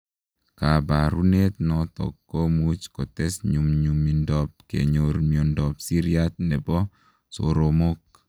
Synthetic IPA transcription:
ka˨ba˨ɾu˦ne˦t̪̚nɔ˨t̪ɔ̰˨kːo˦mu˦t͡ʃkɔ˨t̪ɛ˦sɲu˨mɲu˨mi˨ndɔ˨p̚kḛ˨ɲo˨ɾmjɔ˨ndɔ˨psi˦ɾia˦t̪̚nɛ˨bɔ˦ | so̰˨ɾo˨mo˦k̚

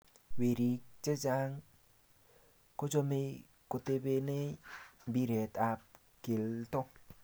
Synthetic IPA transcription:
we˨ɾi˨k̚t͡ʃe˦d͡ʒa˦ŋ | ko˦d͡ʒo˦me˦ | ko˨te˦be˦ne˦mbi˦ɾe˨ta˨p̚ | ke˨ltɔ˦

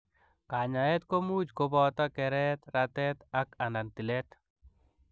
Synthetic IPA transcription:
ka˨ɲa˨ɛ˦t̪ko˦mu˦d͡ʒkobɔt̪a˦kɛɾɛt̪ɾat̪ɛt̪aka˨nda˨nt̪i˨lɛt̪

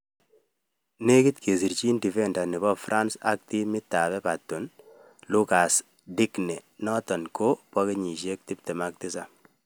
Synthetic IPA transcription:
ne˦kɪ˦tkʰe˨s̬i˨ɾt͡ʃi˦ndi˨fɛ˦nda˨nɪ˨bɔ˦fɾʔa˦nsa̰˦k̚ti˦mɪ˦tːa˨βɛ˦pa˨tːu˨n | lu˦ka˨s | di˦knɛ˨nɔtɔ˨nkʰo˦pɔ˦ke˦ɲi˨ʃe˦k̚ti˦p̚tɛ˨ma˦k̚tɪ˦sa˨

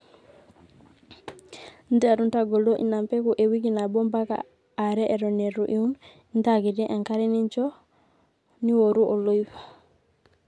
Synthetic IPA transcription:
nda˨ɾuntaɡo˨lo˦ʔḭ˨nampɛ˦ku˨ʔe˨wikina˨bɔ˦mba˦ka̰ː | ɾɛ˦ʔe˨ɾɔne˨ɾuʔiu˦n | ndaɡi˨ti˦ʔa˨ŋka˦ɾɛ˦ni˦ɲt͡ʃɔ | ni˦woɾuʔo˨lo˦jfḁ

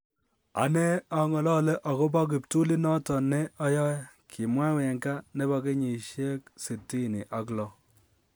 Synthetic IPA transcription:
a̰˨˦ne˦a˨ŋɔ˨lɔ˦le˦ʔa˨ko˦p̬a˦k̬i˨p̚tu˦li˦nɔ˦tɔ˨ne˦ɔ˦jɔ˦kʰi˨mwa˦wɛ˨ŋɡa˦ne˦ba˨ke˦ɲi˨ʃje˦k̚se˨tːi˦˨ni˨ʔa˨klɔ˦

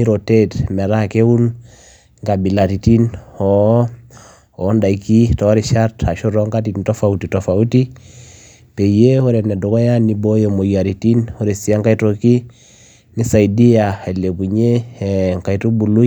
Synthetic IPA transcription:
ni˦ɾo˨te˦tmɛ˨ɾa˦ke˦wu˦n | ŋɡa˨bi˨la˨ɾi˨ti˦nɔ | ɔ˨˦nda˨iki˦tɔ˨˦ɾi˨ʃa˦ta˨ʃu˦ɾɔ˦ŋka˦ti˨to˦fa˨uti˨to˨fa˨u˦ti˦ | pe˨je˦hɔ˦ɾɛ˨nɛ˨du˨kɔ˦ja˦ni˦bo˦jo˨mo˨ja˨ɾi˨ti˦nhɔ˦ɾe˨si˨a˦ŋka˦ito˨ki˦ | ni˦sa˨i˨di˦ja˨a˨le˨bu˨ɲe˦ŋka˨itu˦bu˨lu˦

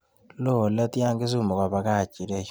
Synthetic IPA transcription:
lo˦˨la˦ti˦a˦ŋɡe˦su˦˨mo˨ka˨βa˨˦ka˦˨t͡ʃi˨ɾe˦

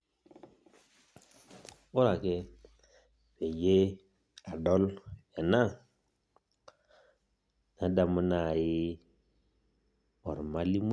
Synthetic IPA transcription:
o˦ɾa˨ke˦ | pe˨je˦ | a˨ɗo˦le˨na˦˨ | na˨da˨mu˦na˦˨ji˦ | o˨ɾma˦li˦m˦

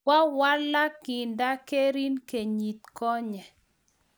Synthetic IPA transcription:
wa˦wa˦la˦kɪ˨nda˦ke˦ɾi˦nke˨ɲi˨t̪̚kɔ˦ɲɛ˨

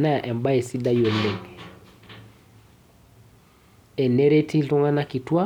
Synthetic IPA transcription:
na˦a˨ʔɛ˨mba˦e˨si˦da˦jo˨le˨ŋ | ɛ˨ne˦ɾe˦ti˦ɬʊ˦ŋa˦na˦ki˨twa˦

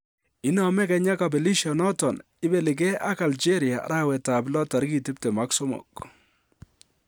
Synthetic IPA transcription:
ɪ˦nɔ˨mɛ˦kɛ˨ɲa˦ka˨b̬e˨li˦ʃjɔ˨nɔ˦tɔ˨n | ɪ˦bɛ˨lɪ˨k̬ɛ˦a˦ka˨ld͡ʒe˦ɾi˨a̰˨ɾa˦wɛ˨ta˨blɔ˦ta˨ɾki˦˨tɪ˦ptɛ˨ma˦ksɔ˦mɔ̰˨k̚

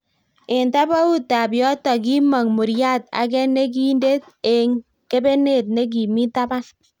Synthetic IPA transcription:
ɪ˨nta˦ba˦u˦ta˨bjɔ˦tɔ˨k̬i˦ma˨ŋmu˨ɾja˦˨ta̰˨kɛ˦ne˦ki˦nde˦t̚ | e˨ŋ | ke˦be˦ne˦˨t̚ne˦k̬i˨mi˦ta˦ba˦

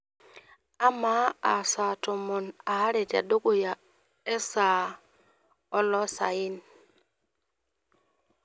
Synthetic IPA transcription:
a˦maa˨sa˨tɔ˨mɔ˨na˨ha˦ɾɛ˨d͡ʒa̰˨do˦ɡɔ˨ja˨ | ɛ˦sa˨ | ɔ˦lɔ˦sa̰˨ji˦n

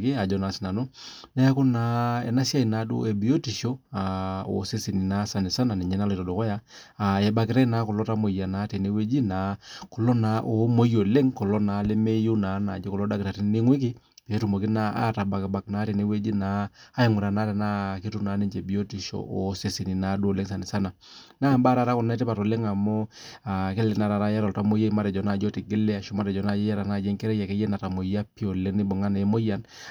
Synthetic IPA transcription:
ke˦a˨d͡ʒɔ˦na˨sna˨nu˦nɛ˦a˦kʊ˦na˨˦ɛ̰˨na˦sa˦i˨na˨˦dṵ˦e˨bi˨o˦ti˨ʃo˦a˨o̰˨se˦si˨ni˨na˦sa˨nɪ˨sa˦na˨nɛ˨ɲɛ˦na˦lto˨do˨kɔ˦ja˦ | a˨jɛ˨ba˨kɪ˦ɾɛ˦na˦kɔ˨lɔ˦ta˦mo˨ja˨na˨˦te˨ne˦we˦d͡ʒi˦na˨˦kɔ˨lɔ˦na˨ʔo˨˦mo˦jo˨le˦ŋkɔ˨lɔ˦na˨˦le˦me˦ju˦na˨˦na̰˨d͡ʒe˦kɔ˨lɔ˦da˦kɪ˨ɾa˨ti˦n˦ni˦ŋwe˦k̬i˦ | pːtu˨mo˨ki˦na˨˦ʔa̰˦ta˨ba˨kba˨kna˦ɾe˨ni˦we˦d͡ʒi˦naː˨˦ji˨ŋʊ˨ɾa˨na˨˦ɾɛ˨na˦ki˦tu˦na˨˦ni˦ɲd͡ʒe˨bi˦o˦ti˨ʃo̰˨ʔɔ˨˦se˨si˨ni˨na˨˦du˦o˨le˦ŋs̬a˨nɪ˨sa˦na˨naː˦˨mba˦ɾa˨˦ɾa˦kʊ˨nɛ˦tɛ˦pa˨to˨le˦ŋa˨mɔ˦a˨ke˦lɛ˨na˨ɾa˨ɾa˦ja˦ɾɔ˨lta˦mo˦ja˦ma˦ɾɛ˨d͡ʒɔ˨na˦˨d͡ʒo˦ti˨ɡɪ˦lɛ˦a˨ʃo˦ma˦ɾɛ˨d͡ʒɔ˨na˦˨d͡ʒɛ˦ja˦ɾa˨na˦˨d͡ʒe˦ŋkɛ˦ɾɛ˦ja˨ke˦jɛ˦na˨ta˨mo˨ja˦pi˦o˨le˦ŋni˦bʊ˨ŋa˦ne˨˦mo˦ja˨n

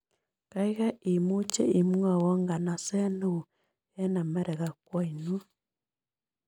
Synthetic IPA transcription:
ka˦iɣa˦i˨mu˦t͡ʃɛ̰˦i˨mwa˦˨wɔ˦ŋɡa˨na˨sɛ˦no˦u˨ | ɛ˦na˨mɛ˦ɾɛ˨ɣa˨kwa˦i˨nu˦

